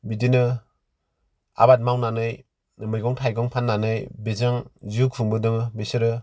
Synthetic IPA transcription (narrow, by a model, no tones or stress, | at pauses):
bidinɯ | a̰bat̚mawnanɯj | mɯjɡɔŋtʰajɡɔŋpʰanːanɯjbezaŋziukʰuŋbɯdɯŋbesɯɾɯ